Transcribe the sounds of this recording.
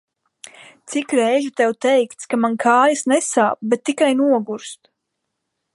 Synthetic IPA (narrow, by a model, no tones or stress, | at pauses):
t̪sikɾɛjʒut̪ɛwt̪ɛjkt̪skamankʰaːjasnɛsa̰ːp̚bɛt̪ːikajnuɔɡuɾst̪